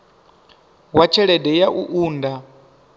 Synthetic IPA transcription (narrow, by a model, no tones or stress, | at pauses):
wat͡ʃʰɛɺɛdɛjaʔuʔuːnda